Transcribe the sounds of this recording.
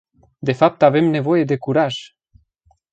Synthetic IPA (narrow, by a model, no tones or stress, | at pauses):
d̪efap̚t̪avemne̞vojed̪e̞kuɾaʒ